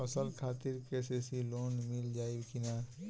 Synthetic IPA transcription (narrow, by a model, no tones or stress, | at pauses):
ɐsəlkʰaːt̪ɪɾkesesiloːnmɪld͡ʒaːikʰɪnaː